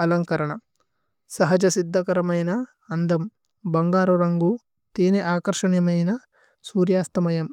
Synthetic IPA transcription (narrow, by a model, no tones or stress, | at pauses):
ɐlɐŋkɐɾɐɳɐ | sɐɦɐd͡ʒɐsid̪ʱːɐkɐɾɐmɐjnɐ | ɐnd̪ɐm | bɐŋɡaːɾuɾɐŋɡu | t̪iːneʔaːkɐɾʂɐɳjɐmɐjnɐ | suːɾjaːst̪ɐmɐjɐm